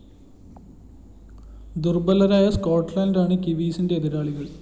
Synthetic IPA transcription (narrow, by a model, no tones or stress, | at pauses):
d̪urbɐlːɐɾaːjɐskoːʈːlɐjndaːɳɨkiʋiːsindeːðiɾaːɭiɣɐɭ